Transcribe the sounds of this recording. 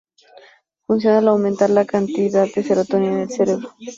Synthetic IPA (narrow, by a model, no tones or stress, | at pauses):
funs̬jonalawment̪aɾlakant̪iðaðd̪eseɾat̪onjaðelseɾeβɾo